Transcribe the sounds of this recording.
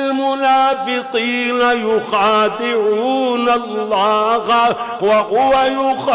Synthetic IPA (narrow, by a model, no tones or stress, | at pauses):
lmʊnaːfɪqiːnajʊxaːd̪ɪʕuːnalːɑːha | waɦʊwajʊx